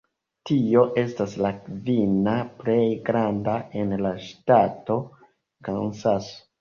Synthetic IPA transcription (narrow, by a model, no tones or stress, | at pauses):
tio̞ʔe̞staslakvinaplejɡɾandae̞nlaʃtato̞ | kansas